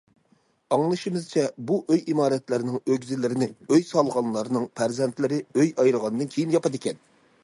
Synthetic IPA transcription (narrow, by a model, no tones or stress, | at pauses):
ɑŋlˠɨʃimɨz̥t͡ʃʰɛbuʔøjimɑːɾɛt̪lɪɾɪnɪŋøɡʲzɪlːɪɾɪnɪøjsɑlˠʁɑnlˠɑɾnɨŋpʰæɾzɛnt̪lɪɾɪøjɑjɾəʁɑnd̪ɨnkʲʰejinjɑpɑd̪ɪkʲɛn